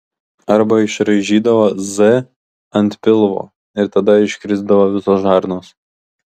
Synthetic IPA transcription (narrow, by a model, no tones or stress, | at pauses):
ɐɾbɐɪʃɾɐʒʲiːd̪ɐʋɐzɛ | ɐnʲt̪ʲpʲɪlˠʋo̰ː | ɪɾt̪ɐd̪ɐɪʃʲkɾʲɪzd̪ɐʋoʋʲɪsoːsʒɑːˑɾnoːs